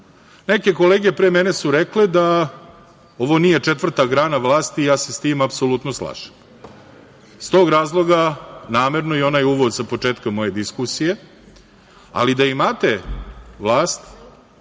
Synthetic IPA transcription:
neke̞ko̞leːɡe̞pɾemene̞suɾekled̪a | oʋo̞nije̞t͡ʂet̪ʋr̩t̪aɡɾaːnaʋlˠaːst̪ijaːsest̪iːmapsolut̪noslˠa̰ʃe̥m | st̪o̞ɡɾaːzlˠo̞ɡanaːme̞ɾnojeo̞najuʋo̞d̪sapo̞t͡ʂeːt̪kamo̞je̞d̪iskusije̞ | a̰lid̪aimat̪eʋlˠaːst̪

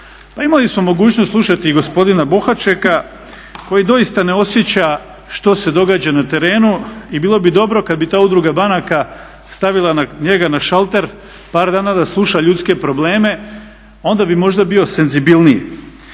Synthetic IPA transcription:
paimalismomo̞ɡuːt͡ɕnost̪slˠuʃat̪iɡo̞spo̞d̪inabo̞xat͡ʃeka | ko̞jid̪o̞jist̪ane̞o̞sje̞t͡ɕa | ʃt̪o̞se̞d̪o̞ɡaːd͡ʑanat̪e̞ɾe̞ːnuibiːlˠo̞bid̪o̞bɾo̞kad̪bit̪aːud̪ɾuɡabanaka | st̪aʋilˠanaɲe̞ɡanaʃalˠt̪e̞ɾ | paːɾd̪aːnad̪aslˠuʃaʎut̪ske̞pɾo̞ble̞ːme̞ | o̞nd̪abimo̞ʒd̪abio̞se̞nzibilˠnijḭ

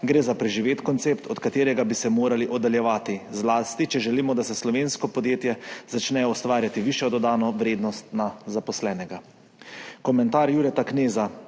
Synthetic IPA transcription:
ɡɾeːzapɾɛʒiʋeːt̪kɔnt̪seːpt̪ʰɔt̪kat̪eːɾɛɡabisɛmoːɾaliʔɔd̪aljɛʋaːt̪izlaːst̪it͡ʃɛʒɛliːmɔd̪asɛslɔʋeːnskɔpɔd̪jeːt̪jɛzat͡ʃnɛːjɔɔst̪ʋaːɾjat̪iʋiʃjɔd̪ɔd̪aːnɔʋɾeːd̪nɔst̪nazapɔslɛːnɛɡa | kɔmɛnt̪aːɾjuɾɛt̪akneːza

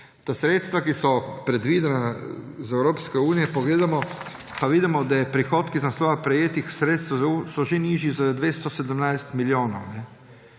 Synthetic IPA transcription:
t̪asɾeːt̪st̪ʋakisɔpɾɛd̪ʋiːd̪ɛnazɛwɾoːpskɛuːnijɛpoɡleːd̪amɔ | paʋiːd̪imɔd̪ajɛpɾixoːt̪kiznast̪oːʋapɾɛjeːt̪ixsɾeːt̪st̪ʋusɔʒeniːʒizad̪ʋeːst̪ɔsɛd̪əmnajst̪miljoːnɔwnɛ

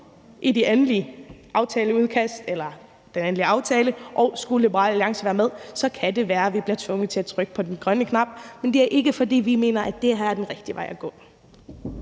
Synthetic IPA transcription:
ʔidienliʔɑ̈ʊt͡sʰɛːləuð̞ˠkʰæsd̥elɐ | d̥enenliɑ̈ʊt͡sʰɛːləʔɒ̽ʊsɡ̥ulib̥ɐʁɑ̰ːlæliɑ̈ŋ̰səʋæːɐmeð̞ˠsɒ̽kʰæd̥e̝ʋæːɐʋib̥liɐt͡sʰʋɔ̽ŋð̩ˠt͡sʰe̝æt͡sʰʁœɡ̥ə̥pʰɒ̽d̥enɡ̥ʁɶnəkʰnɑ̈b̥̚mend̥e̝æɐʔe̝ɡ̥əfɒ̽d̥ḭːʋime̝̰ːnɐʔæd̥e̝ɦɑ̈jɑ̈d̥enʁɛɡ̥d̥iʋɑ̈ɪæɡ̥ɔ̰̽ː

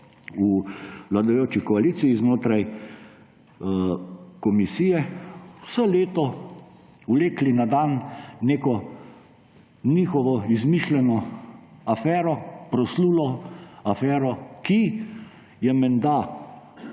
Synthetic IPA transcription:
ulad̪ajoːt͡ʃikɔaliːt̪siiznoːt̪ɾaj | kɔmisiːjɛwsɔleːt̪ɔ | uleːklinad̪anːeːkɔ | nixɔʋɔizmiʃlɛnɔ | afɛːɾɔpɾɔsluːlɔafɛːɾɔki | jɛmɛnd̪a

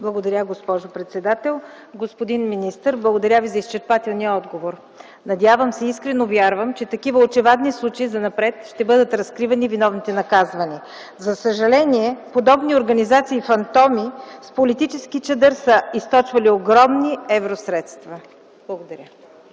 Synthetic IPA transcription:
blˠɐɡod̪ɐɾʲaɡospɔʒopɾɛt̪sɛd̪at̪ɛlˠ | ɡospod̪inminist̪əɾblˠəɡod̪ɐɾʲavizɐist͡ʃɛɾpat̪ɛlˠnijəɔd̪ɡovoɾ | nɐd̪ʲjavəmsɛiskɾɛnovʲjaɾvəmt͡ʃɛt̪ɐkivəot͡ʃɛvad̪nislˠut͡ʃɐizɐnɐpɾɛt̪ʃt̪ɛbɤd̪ət̪ɾɐskɾivɐnivinɔvnit̪ɛnɐkazvɐni | zɐsəʒɐlɛnʲiɛpod̪ɔbnioɾɡɐnizat̪siːfɐnt̪ɔmispolit̪it͡ʃɛskit͡ʃɛd̪əɾsəist̪ɔt͡ʃvɐlioɡɾɔmniɛvɾosɾɛt̪st̪vɐ | b̥lˠɐɡod̪ɐɾʲə

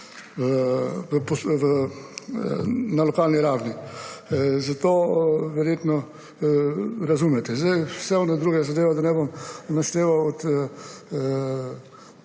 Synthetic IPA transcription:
ʋəpɔsʋ | nalɔkaːlniɾaːwni | zat̪oːʋɛɾjet̪nɔ | ɾazumɛt̪ɛzd̪ajsɛɔnɛd̪ɾuːɡɛzad̪eːʋad̪anɛbomnaʃt̪eːʋawɔt̪

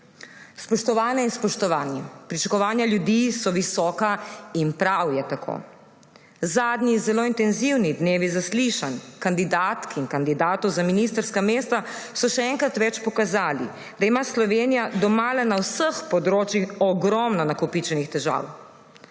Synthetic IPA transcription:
spɔʃt̪ɔʋaːnjɛinspɔʃt̪ɔʋaːnjɛpɾit͡ʃakɔʋaːnjaljud̪isɔʋisɔːkainpɾawjɛt̪akʰo̰ː | zaːd̪nizɛloːint̪ɛnziwnid̪neːʋizasliʃankand̪id̪aːt̪kiŋkand̪id̪aːt̪ɔwzaminist̪əɾskameːst̪asɔʃɛɛŋkɾat̪ʋɛt͡ʃpɔkazaːlḭ | d̪aimaslɔʋeːnijad̪ɔmaːlɛnawsəxpɔd̪ɾoːt͡ʃjixɔɡɾɔmnɔnakɔpit͡ʃɛnixt̪ɛʒa̰ːw

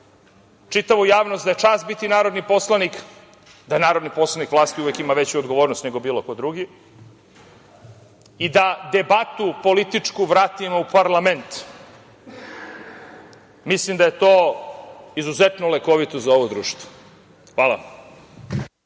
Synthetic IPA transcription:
t͡ʂit̪aʋujaːʋnost̪d̪aet͡ʂaːst̪̚bit̪inaːɾo̞d̪nipo̞slˠanik | d̪anaːɾo̞d̪nipo̞slˠanikʋlˠaːst̪iuʋekimaʋet͡ɕuod̪ɡo̞ʋoɾnost̪neɡo̞biːlokod̪ɾuɡi | id̪ad̪ebat̪upo̞lit̪it͡ʂkuʋɾaːt̪imaupaɾlˠament̪ | mislimd̪aje̞t̪oː | izuzet̪nolekoʋit̪ozaoʋod̪ɾṵːʃt̪ʋo̥ | xʋaːlˠa̰

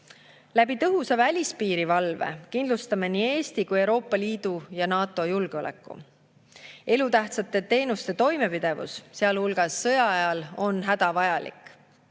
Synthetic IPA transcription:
læb̥it̪ɤɦusevælʲispiːɾivɑlve̞̰kind̪lust̪ɑmenie̞ːst̪ikujewɾo̞ːpːˑɑliːd̪̥ujɑnɑːt̪ˑːo̞julɡ̥eo̞lḛkːˑṵ | e̞lut̪æht̪sɑt̪ːˑe̞t̪e̞ːnust̪e̞t̪o̞jme̞pid̪̥e̞vṵsseɑlhulɡ̥ɑsːɤ̞jɑɑjɑlo̞nɦæd̪̥ɑvɑjɑlḭkːˑ

